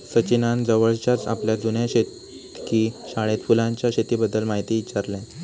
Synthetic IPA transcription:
sət͡ɕinand͡zəʋəɭt͡ɕat͡sa̰pljad͡z̪unjaɕet̪ | kiːɕaɭ̃et̪fulãɲt͡ɕjaɕet̪iːbəd̪ːəlmaɦit̪iːtːt͡ɕaɾlɛ̃

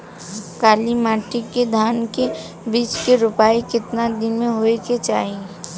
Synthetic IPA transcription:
kaːlimaːʈɪkːed̪ʱaːnke | biːt͡ʃkeɾʊpaːikɪt̪nad̪ɪnmẽɦoːeket͡ʃaːɦi

